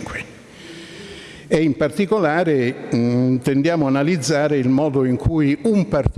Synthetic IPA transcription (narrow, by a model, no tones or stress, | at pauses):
ki | eimpart̪ikolaːɾe | t̪end̪jaːmoanalid̪zːaːɾeilmɔːd̪oiŋkʰujumpar